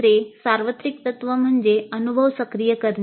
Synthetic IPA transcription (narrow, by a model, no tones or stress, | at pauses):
ɾesaɾʋət̪ɾik̚t̪ət̪ʋəm̤əɳd͡zeənubʱəʋsəkɾijəkəɾn